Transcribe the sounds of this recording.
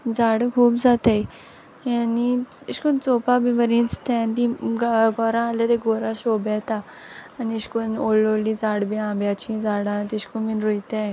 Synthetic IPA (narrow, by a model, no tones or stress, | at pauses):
d͡zaɽkʰuːpd͡zat̪aj | aniɕkunt͡sopabĩbəɾĩt͡st̪ʰɛ̃nt̪ĩɡɡɔɾãalat̪eɡoɾãɕobɛt̪aː | niɕkunolːolːid͡zaɽbiãbjat͡ɕĩd͡zaɽãt̪iɕkuminɾojt̪ẽ